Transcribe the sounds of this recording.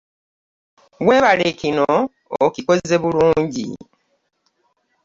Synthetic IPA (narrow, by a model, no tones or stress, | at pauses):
we̞ːβalekino | ociko̞ze̞βuluːɲɟḭ